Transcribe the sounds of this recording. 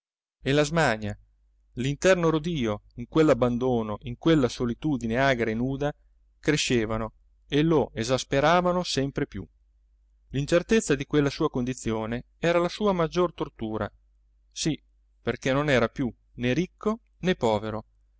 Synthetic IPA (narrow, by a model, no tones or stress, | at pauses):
elazmaɲa | lint̪ɛrnoɾod̪iːoiŋkwelːabːand̪oːnoʔiŋkwelːasolit̪uːd̪ineaːɡɾaenuːd̪a | kɾeʃːeːvano | eloʔezaspeɾaːvanosɛmpɾepjṵ | lint͡ʃert̪et̪sːad̪ikwelːasuːakond̪it̪sːjoːne | ɛːɾalasuːamad͡ʒːort̪ort̪uːɾa̰ | si | perkenonɛːɾapju | neɾikʰːo | nɛpːɔːveɾo